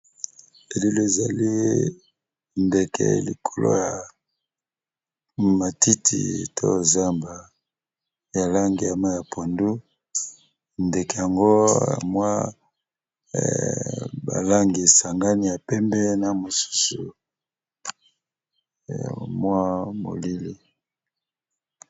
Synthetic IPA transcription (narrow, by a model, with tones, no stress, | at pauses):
e˨li˦le˦e˨za˨li˦ | nde˨kʰɛ̰˨lḭ˨kʰo˨lʔo̰˦ja˨ | ma˨ti˦tʰḭ˨tʰo̰˦˨za˦mba˨ | ja˨la˦ŋɡi˨ja˨ma˦ja˨pʰo˨ndu˦˨ | nde˨ke˨ja˨ŋɡo̰˦˨mwa˦˨ | ba̰˨la˦ŋɡi˨e˨sa˨ŋɡa˦ni˦ja˨pɛ˦mbɛ˦na˨mo˨su̥˦su˨ | ja̰˨mwa˦mo̰˨li˦li˦